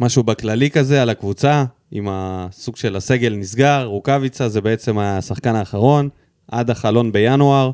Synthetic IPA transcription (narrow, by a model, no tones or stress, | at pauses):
maʃubaklalikaze̞alakvut͡sa | imasuɡʃe̞lase̞ɡe̞lnisɡaʁːukavit͡sazebe̞et͡se̞masaχkanaːχaʁo̞n | ʔa̰d̪aχalo̞nbe̞januaʁ